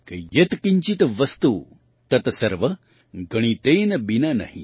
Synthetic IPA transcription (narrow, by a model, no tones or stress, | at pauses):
kɐjet̪kiɲt͡ʃit̪ʋɐst̪u | t̪ɐt̪ɐsɐɾʋɐ | ɡɐɽ̃it̪eːnɐbinanɐ̰hḭ